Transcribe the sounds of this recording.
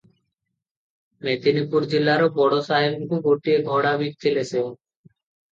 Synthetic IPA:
met̪inipuɾd͡ʑilːaɾobɔɽosaɦebkuɡoʈieɡʱɔɽabik̚t̪ʰileseõ

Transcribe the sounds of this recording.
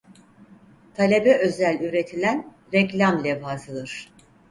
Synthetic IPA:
t̪ʰalʲe̞bɛʔø̞zælʲyɾe̞t̪ʰilʲæn | ɾɛclʲamlʲɛvaːzɯd̪ˠɯɾ̥

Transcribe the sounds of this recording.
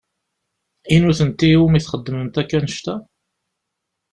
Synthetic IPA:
inuθənt̪iumiθχəd̪ːəmənt̪ækːænəʃt̪æ

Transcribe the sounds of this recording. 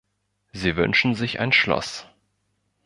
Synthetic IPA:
ziːvʏ̰nʃn̩zɪça̰ɪnʃlɔ̰s

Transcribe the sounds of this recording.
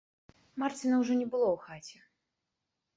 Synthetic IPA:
mart͡sʲinɐwʐɔnʲɛbɨlˠɔwxat͡sʲɛ

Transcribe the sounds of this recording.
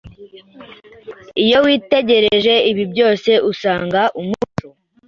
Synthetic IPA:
ijo̞wiːte̞ɟe̞ɾeʒe̞iβibɟo̞ːse̞ʔusaːŋɡaʔumuto

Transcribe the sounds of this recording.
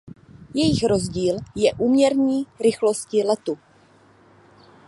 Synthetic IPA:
jɛjɪxɾo̞zɟiːljɛʔuːmɲɛɾɲiːɾɪxlo̞scɪlɛt̪u

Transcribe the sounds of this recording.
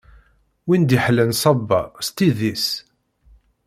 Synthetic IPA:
wind̪iħlənsˤɑbːɑ̰st̪iðis

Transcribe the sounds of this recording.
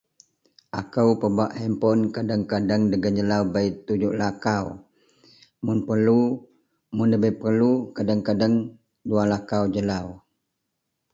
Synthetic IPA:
ʔakəwpəbuaʔhɛmpɔnkadəŋkadəŋdəɡənd͡ʒəlawbajt̪ud͡ʒuʔlakaw | mʊnpərlu | mʊnləbəjpərlukadəŋkadəŋ | dualakawd͡ʒəlaw

